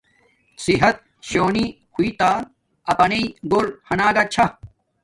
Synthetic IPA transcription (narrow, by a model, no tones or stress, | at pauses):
siɦɐt̪̚ | ɕoːni | huiːt̪aː | ɐpɐneiɡoːlhɐnaːɡat͡ɕʰɐ